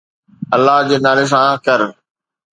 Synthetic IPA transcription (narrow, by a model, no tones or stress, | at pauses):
ɐlːaɦd͡ʑeːnaːles̬ãːkɐɾ